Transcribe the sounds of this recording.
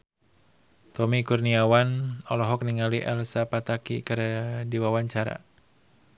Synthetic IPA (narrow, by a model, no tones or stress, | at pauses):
t̪ɔmikurniawanɔlɔɦɔk̚niŋaliʔɛlsapat̪akḭkɨɾdiwawaɲt͡ʃaɾa̰